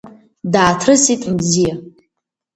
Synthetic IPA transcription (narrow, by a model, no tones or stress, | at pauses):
daːtʰrɨsitʼmzija